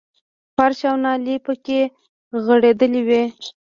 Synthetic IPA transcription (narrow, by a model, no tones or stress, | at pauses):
faɾʃawnɑlipəke | ɣəɽed̪əliwi